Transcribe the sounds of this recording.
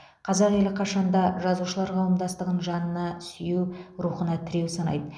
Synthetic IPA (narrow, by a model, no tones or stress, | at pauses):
qʰɑzəɾjelˠɪqʰɑʃɑnd̪ɑʒɑzuʃəlˠɑɾqʰɑwəmd̪ɑst̪əʁənʒɑnənɑsʏjewɾuχənɑt̪ʰɪɾe̞wsɑnɑ̰jd̪ə